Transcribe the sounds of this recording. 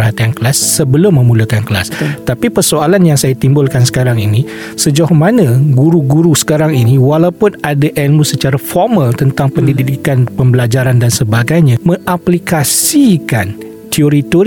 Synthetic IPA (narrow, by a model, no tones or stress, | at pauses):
rɦat̪iankəlasːəbəlʊmːə̃mulakankəla̰st̪apipərsoalanjaŋsajat̪imbʊlkansə̥kaɾaŋini | səd͡ʒahmanə̃ɡuɾuɡuɾusə̥kaɾaŋiniwalawpʊnadaʔɛlmusət͡ʃaɾafɔrmə̃lt̪ənt̪aŋpəndididikanpəmbəlad͡ʒaɾandansəbaɡajɲãmə̃ŋʔaplikasikan | t̪ioɾit̪o